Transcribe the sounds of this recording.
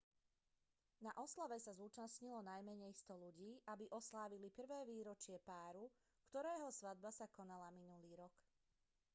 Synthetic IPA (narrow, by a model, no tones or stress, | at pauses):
naʔɔslaʋɛsazuːt͡ʃasɲilɔnajmɛɲɛjst̪ɔʎuɟiːʔabiʔɔslaːʋilipr̩ʋɛːʋiːɾɔt͡ʃɪɛpaːɾu | kt̪ɔɾɛːɦɔsʋad̪̚basakɔnalaminuliːɾɔk